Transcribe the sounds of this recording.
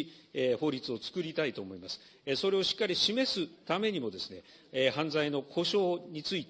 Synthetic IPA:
eho̞ːɾʲit͡sɨo̞t͡sɨ̥kɯ̟ɾʲit̪ait̪o̞ːmo̞imasɨ̥ | eso̞ɾe̞o̞ɕi̥kːaɾʲiɕime̞sɨt̪ame̞ɲ̟imo̞d̪e̞sɨne | ehãnd͡zaino̞kʰo̞ɕo̞ːɲ̟it͡sɨit̪

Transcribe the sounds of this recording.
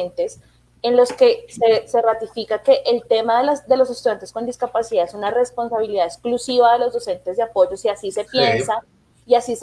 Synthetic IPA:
nt̪e̞s | enlo̞ske̞sese̞rat̪ifikake̞ʔelt̪e̞maðelasd̪e̞lo̞s̬e̞st̪uðjant̪e̞sko̞nd̪iskapasiðaesunare̞spo̞nsaβiliðaesklusiβaðe̞lo̞zd̪o̞se̞nt̪ezd̪eapo̞ʝo̞siasise̞pje̞nsa | iasis

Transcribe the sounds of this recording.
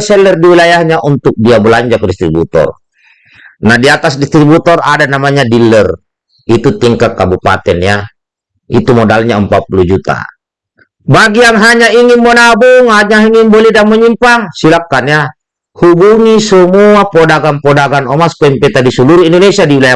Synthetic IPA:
sɛlɛrdiwilajahɲaʔunt̪uk̚diabəlaɲd͡ʒakdist̪ɾibṵt̪ɔ̰r | nahdiat̪asdist̪ɾibut̪ɔra̰danamaɲadilɛr | it̪ut̪iŋkat̪̚kabupa̰t̪ɛnja | it̪umɔdalɲaəmpat̪̚pulud͡ʒut̪a̰ | baɡijaŋɦaɲaiŋinmɔnabuŋhaɲaiŋinbɔlɛdaməɲimpaŋsilakːanja | hubuŋisəmuapɔdaɡanpɔdaɡanɔmaspaimpɛt̪adisuluɾuindɔnɛsiadiwilaja

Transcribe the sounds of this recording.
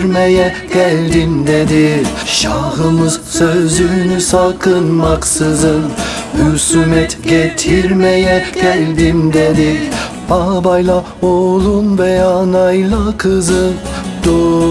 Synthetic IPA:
ɾmæjɛkʲʰæld̪ɪnd̪ed̪ɪʃɑʁɯmɯzsøzynysɑqɯnmɑqsɯzɯn | hysymɛt̪ɡʲet̪ʰiɾmæjɛkʲʰæld̪ɪnd̪ed̪ɪ | bɑbɑjlˠɑ | olˠunvɛɑnɑjlˠɯqʰɯzɯd̪̥o

